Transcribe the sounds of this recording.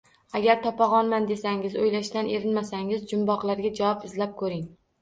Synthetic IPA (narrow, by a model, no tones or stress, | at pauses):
aɡʲaɾt̪ʰɒpɒʁɒnmand̪e̞saŋɪzojlaʃt̪anʔeɾɪnmasaŋɪzd͡ʒʊmbɒqlˠaɾɡʲad͡ʒawɒpɪzlap̚kʰɵɾɪŋ